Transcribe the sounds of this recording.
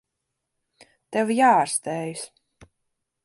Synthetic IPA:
t̪ɛvjaːaɾst̪ɛːjs

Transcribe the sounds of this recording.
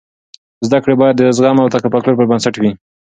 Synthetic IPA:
zd̪akɽebɑjad̪ːəzɣɑmawt̪akapɑkloɾp̬əɾbansaʈwi

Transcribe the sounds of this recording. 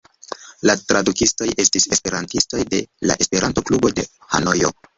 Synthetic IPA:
latɾʔadukisto̞jʔe̞stise̞spe̞ɾantisto̞jde̞̰la̰ʔe̞spe̞ɾanto̞klubo̞de̞ | ha̰no̞jo̰

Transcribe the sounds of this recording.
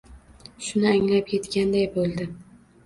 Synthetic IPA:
ʃʊnɪaŋlapʰje̞t̪kʲand̪ajbolˠd̪ɪ

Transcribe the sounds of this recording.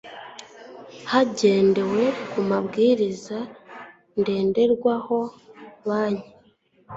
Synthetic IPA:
haɟe̞ːnde̞we̞kumaβɡiːɾiza | nde̞ːnde̞ɾɡwaho̞ | βaːɲe

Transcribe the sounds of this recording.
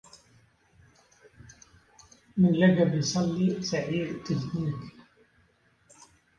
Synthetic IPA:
mɪnlaɡabjsˤɑlːisaʕiːd̪t̪ɪkniːk

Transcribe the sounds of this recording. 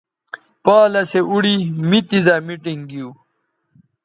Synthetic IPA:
paːlɐseʔuɽimit̪izamiʈiŋɡiu

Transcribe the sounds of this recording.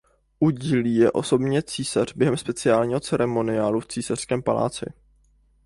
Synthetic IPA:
ʔuɟiːliːjɛʔo̞so̞bɲɛt͡siːsar̝bjɛɦɛmspɛt͡sɪaːlɲiːɦot͡sɛɾɛmo̞nɪaːluft͡siːsar̥skɛːmpala̰ːt͡sɪ̰

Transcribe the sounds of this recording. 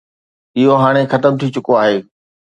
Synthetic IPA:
ɪɦoɦaːɽ̃exɐt̪əmt̪ʰit͡ɕʊkoaːɦeː

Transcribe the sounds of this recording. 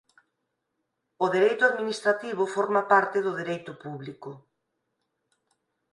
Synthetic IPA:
ʊðeɾejt̪ʊaðminist̪ɾat̪iβʊfɔɾmapaɾt̪ɪðʊðeɾejt̪ʊpuβlikʊ

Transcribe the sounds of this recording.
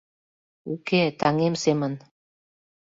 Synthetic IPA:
uket̪ɑŋemsemə̆n

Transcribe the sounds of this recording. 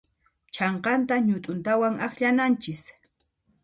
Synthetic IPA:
t͡ʃʰɑɴqɑnt̪aɲʊt̪ʼʊnt̪awaŋaχʎanant͡ʃɪs

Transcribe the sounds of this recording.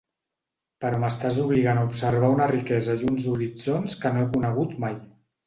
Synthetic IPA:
pəɾɔməst̪azuβ̞liɣ̞anaupsəɾβ̞aunərikɛzəjunzuɾid͡zonskənoekunəɣ̞ut̪maj

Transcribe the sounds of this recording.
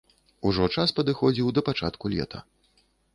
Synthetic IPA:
uʐɔt͡ʂaspɐd̪ɨxɔd͡zʲiwd̪ɐpat͡ʂa̰t̪kulʲɛ̰t̪ʰɐ̰

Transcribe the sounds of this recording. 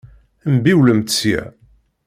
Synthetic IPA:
mbiwləmt̪sjæ̰

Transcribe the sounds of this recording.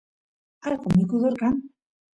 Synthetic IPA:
alkomikuðoɾkan

